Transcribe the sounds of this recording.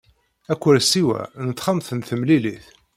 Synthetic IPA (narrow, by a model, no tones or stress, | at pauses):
ækʷːəɾsiwæ̰nət̪ːχəmθənθəmliliθ